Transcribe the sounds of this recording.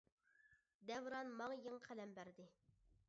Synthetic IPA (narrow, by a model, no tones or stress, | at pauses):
d̪ɛvɾɑnmɑŋjiŋqʰælɛmbæɾd̪ɪ